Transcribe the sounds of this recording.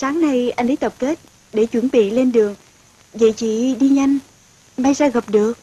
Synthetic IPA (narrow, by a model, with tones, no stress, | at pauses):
saː˨˦ŋna˨˧jʔa˧jŋ̟ʔə˨˦jt̪ə˨˩p̚ke˦˥t̚ | ɗe˧˩t͡ɕwə˧˩nɓḭ˧˨le˧nɗɨ˨˩əŋ | və̰˧˨t͡ɕḭ˧˨ɗi˧ɲa˧jŋ̟ | ma˧jzaː˧ɣə˨˩p̚ɗɨ˨˩ək̚